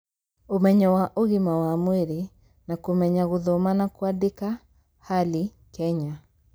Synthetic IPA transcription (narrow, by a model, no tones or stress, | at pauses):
omɛɲɔwaʔoɣimawamweɾe | nakomɛɲaɣoðɔmanakuadeka | hali | kɛɲa